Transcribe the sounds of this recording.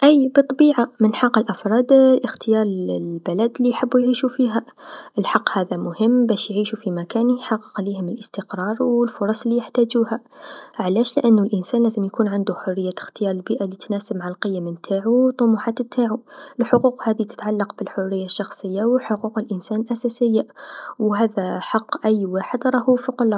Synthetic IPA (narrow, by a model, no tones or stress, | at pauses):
ʔæjbɨt̪ˤːɑbiːʕamɪnħɑqːəlʔafɾˤɑːd̪lʔɪxt̪ɪjɑːɾˤlbɪlad̪lːijħɪbːujʕiːʃufiːɦaʔɪlħɑqːhaːðamʊhɪmːbæːʃjʕiːʃufimakaːnjħɑɣːəqliːhʊmɪlʔəst̪əqɾˤɑːɾˤwɪlfʊɾˤɑsˤlːijɪħt̪aːd͡ʒuːhaʕalæːʃlɪʔanːʊlʔɪnsaːnlæːzəmjakuːnʕand̪uħʊrːɪjːaxt̪ɪjɑːɾˤɪlbiːʔalit̪naːsəbmʕlqɨjːamɪnt̪ʰaːʕuwt̪ˤːʊmuħaːt̪t̪ʰːaːʕulħʊquːqhaːðit̪ɪ̥t̪ʕalːɑqbɪlħʊrːɪjːaʃːɑxsˤəjːawɪħʊquːqəlʔɪnsaːnəlʔasaːsɪjːawɦaːðaħɑqːʔæjːwaːħəd̪ɾˤɑhufʊql